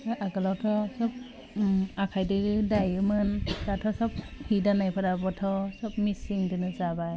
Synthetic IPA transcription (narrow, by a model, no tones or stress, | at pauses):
ɯʔaɡɯlawtʰɔsɔp̚ | akʰajdɯɯdajɯmɯndatʰɔsɔp̚hidanajpʰadabɔtʰɔsɔp̚misiŋdɯnɯzabaj